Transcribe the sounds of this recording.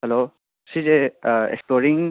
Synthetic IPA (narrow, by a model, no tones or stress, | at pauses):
ɦɛloː | sid͡ʒeḛkspoːɾɪ̃ŋ